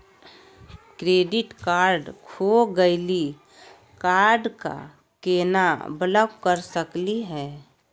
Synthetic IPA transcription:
kɾeːɖɪʈkaːɾɖkʰoɡəɪli | kaːɾɖka̰ | keːnabələɡkəɾsəkliɦɛː

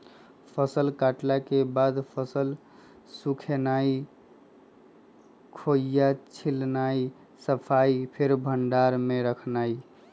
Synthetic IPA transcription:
pʰəsəlkaʈlakebad̪pʰəsəl | sukʰenai | kʰojat͡ʃʰilnaj | səpʰajpʰeɾbʱəɳɖaɾmeɾəkʰnaj

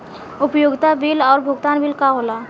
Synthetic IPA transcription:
ʊpjoɡt̪abilɔːɾbʱʊɡt̪anbilkaɦola

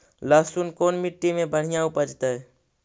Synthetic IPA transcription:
laːsunkoːnmiʈːimẽbəɽ̤ɪjãʊpəd͡ʒt̪ə

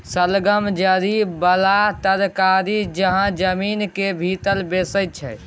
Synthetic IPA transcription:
səlɡəmd͡ʒəɾibəlat̪əɾkaɾid͡ʒəɦãd͡ʒəmiːnkebʱit̪əlbesət̪̚t͡ʃʰɛ

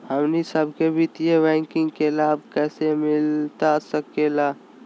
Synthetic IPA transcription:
həmnisəbʱkebʱit̪ijebɛ̃ːŋkɪ̃ŋɡkelaːbkɛːsemɪlt̪asəkelaː

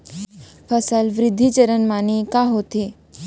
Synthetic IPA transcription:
pʰəsəlʋɾɪd̪ʱːit͡ɕəɾənmanikaɦot̪e

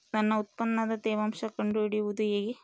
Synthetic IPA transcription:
t̪ɐnːɐut̪̚pɐnːɐd̪ɐt̪ɛːʋɐmʂɐkɐɳɖuɽiud̪ujeːɡi

